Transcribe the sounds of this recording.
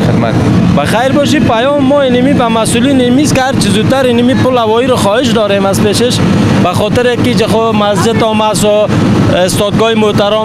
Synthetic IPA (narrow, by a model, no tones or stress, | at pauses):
a̰t̪ | baxajɾbɔʃ̬ipajɔːmːɔinimibamasulinimiskɪhaɾt͡ʃizud̪̚t̪ːaɾinimipʊlawɔːiɾɔxɔːhɪʃd̪ɔːɾemazpeʃeʃ | baxɔt̪ɪɾekid͡ʒexʊ | masd͡ʒɪd̪ɔmasɔ | est̪ɔd̪̚ɡɔːimot̪aɾɔ